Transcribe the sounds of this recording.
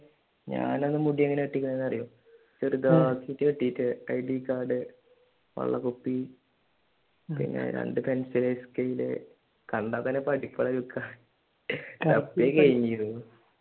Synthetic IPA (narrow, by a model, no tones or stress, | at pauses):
ɲa̰ːnenːɨmuɽijɐŋːɐneeʈːikʲːunːɐenːɐrijo | t͡ɕːoɾud̪aːkːijitːɨeʈːijitːɨɐjɖikːaːɖɨ | ʋɐ̰ɭːɐ̰kupːi | pḭnːɐ̰ɾḛɳɖɨpensilɐskejilḛ | kɐɳɖaːp̪ːɐnepɐɽipːɐɭɐlukːaː | t̪ɐpːekɐɻiŋɡiju